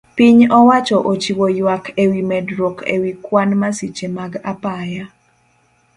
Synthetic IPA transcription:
piɲɔwat͡ʃɔʔot͡ʃiwojwakʰewimɛdɾɔkḛwikwanmasit͡ʃemaɡapaja

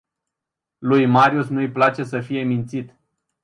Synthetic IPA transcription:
lujmaɾiusnujplat͡ʃe̞səfije̞mint̪sit̪

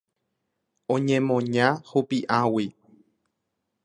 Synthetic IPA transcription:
õɲẽmõɲãhupiʔãwi

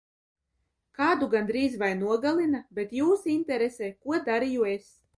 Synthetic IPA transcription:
kaːd̪uɡand̪ɾiːzvajnuɔɡalˠinabet̪juːsint̪ɛɾesɛːkuɔd̪aɾijues

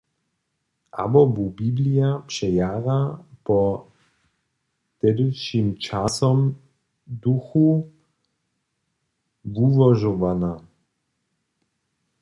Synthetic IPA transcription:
ʔa̰bɔbubiblijapʂɛjaɣapɔ | t̪ɛdɪʃimt͡ʃasɔm | d̪uxu | vuvɔʒɔvana

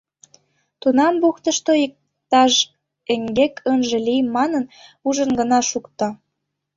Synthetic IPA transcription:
t̪unɑmbuxt̪ə̆ʃt̪oik̚ | t̪ɑʒ | eŋɡekʰənʒĕlʲijmːɑnənuʒə̆nɡə̆nɑʃukt̪ŏ

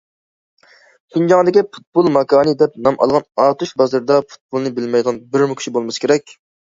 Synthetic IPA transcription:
ɡʲynd͡ʒɑŋd̪ɪkʲipʰu̥t̪̚bolˠmɑkʰɑːnɨd̪ɛp̚nɑmʔɑ̰lˠʁɑnɑːt̪uʃbɑzɨɾd̪ɑpʰu̥t̪̚bolˠnɨbɪlmɛjd̪ɨʁɑnbɪɾmukʲʰy̥ʃibolˠmɨskʲeɾɛk̚ʲ

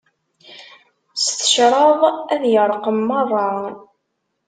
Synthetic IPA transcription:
st̪ə̥ʃɾˤɑðˤæðjəɾˤqəmːɑrˤɑ

